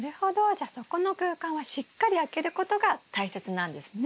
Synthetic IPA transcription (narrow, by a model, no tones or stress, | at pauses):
ɾeho̞d̪o̞d͡ʑaso̞ko̞no̞kɯːkãβaɕikːaɾʲiake̞ɾɯ̟ko̞t̪o̞ɡat̪aise̞t͡sɨnãnd̪e̞sɨn